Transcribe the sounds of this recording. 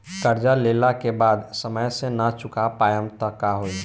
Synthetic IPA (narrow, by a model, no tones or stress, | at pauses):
kəɾd͡ʒaleːlakebaːd̪səməjsenat͡ʃʊkapaːjəmt̪əkaɦoi